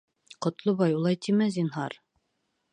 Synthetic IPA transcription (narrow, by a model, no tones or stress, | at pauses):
qŏt̪lˠoβɑjulˠɑjt̪ʰimæzinɦɑɾ